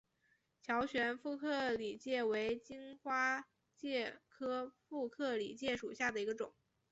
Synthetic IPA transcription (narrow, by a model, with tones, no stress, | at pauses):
t͡ɕʰjɑ˧˥ʊɕɥɛ˧˥nfu˥˧kʰɤ˥˩li˨˩t͡ɕjɛ˥˩we˧˥ɪt͡ɕi˥ŋxwa˥ | t͡ɕjɛ˥˩kʰɤ˥fu˥˧kʰɤ˥˩lḭ˨˩t͡ɕjɛ˥˩ʂu˨˩ɕja˥˩d̪ə˩i˧˥ɡə˧ʈ͡ʂʊ˨˩˦ŋ